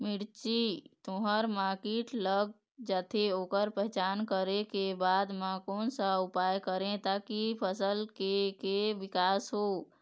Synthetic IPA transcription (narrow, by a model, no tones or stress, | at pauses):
miɽt͡ʃit̪oɦəɾmaɾkeʈləɡ̚ | d͡ʒat̪ʰeokəɾpəɦt͡ʃankəɾekebad̪mãkonsəupajkəɾẽt̪akipʰəsəlkekeʋikasɦo